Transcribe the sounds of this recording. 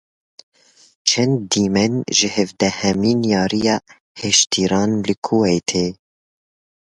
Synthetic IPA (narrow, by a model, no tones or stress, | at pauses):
t͡ʃʰɛnd̪ːiːmɛnʒɨhɛvd̪ɛhɛmiːnjɑːɾijɑː | heʃt̪ʰiːɾɑːnlɨkʰoːweːt̪ʰeː